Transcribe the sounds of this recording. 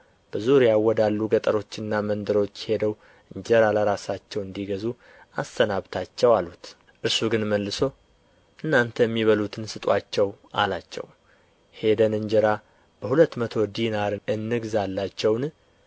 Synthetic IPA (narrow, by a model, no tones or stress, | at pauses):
b̥əzuɾjawːɔd̪alːuɡət̪ʼəɾo̞t͡ʃːɪnːamənd̪əɾo̞t͡ʃːhe̞d̪əw | ɨɲd͡ʒɛɾaləɾasat͡ʃːɛwɨnd̪iɡəzu | ast̪ənaβt̪ʰat͡ʃːɛwalut̪ | ʔɨɾsuɡɨnməlːɨso̞ | ʔɨnːant̪ʰəjɛmːiβəlut̪ʰɨnsɨt̪ʼwat͡ʃːɛwʔa̰lat͡ʃːɛ̰w | he̞d̪ənɨɲd͡ʒəɾa | b̥əhulət̪ːmət̪ʰo̞d̪inaɾɨɨnːɨɡzalːat͡ʃːɛwn